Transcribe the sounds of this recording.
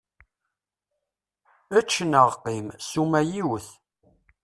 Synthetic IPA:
æt͡ʃːənəʁqimsumæjiwəθ

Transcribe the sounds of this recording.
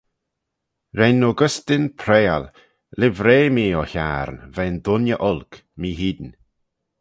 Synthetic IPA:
ɾɛnːoɡəst̪ɪnpʰɾeːa̰l | lɪvɾeːmiːɔçaːɾnvɛnd̪ʊnjəʔɔlk | miːɦiːd̪n

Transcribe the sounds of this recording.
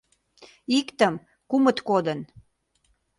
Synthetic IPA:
ikt̪əm | kumə̆t̪kod̪ən

